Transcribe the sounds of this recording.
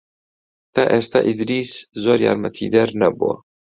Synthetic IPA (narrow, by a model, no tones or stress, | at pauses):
t̪ɐʔest̪aʔid̪ɾiszoɾja̰ɾmɐt̪ʰiːd̪ɐɾnɐbo̰